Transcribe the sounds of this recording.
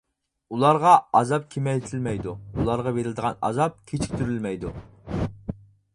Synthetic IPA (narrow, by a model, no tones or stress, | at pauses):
ulˠɑɾʁɑɑzɑp̚kʲʰemɛjt̪ʰɪlmɛjd̪uulˠɑɾʁɑveɾɪld̪əʁɑnɑ̰zɑp̚kʲʰet͡ʃʰi̥k̚ʲt̪ʰyɾylmɛjd̪u